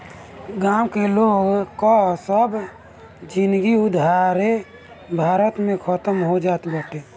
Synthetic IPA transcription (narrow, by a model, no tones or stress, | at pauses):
ɡaːwkeloːɡkɔsəb | d͡ʒɪ̃nd̪ɡiʊd̪ʱaɾe | bʱaːɾət̪mẽkʰət̪əmɦod͡ʒaːt̪bəʈeː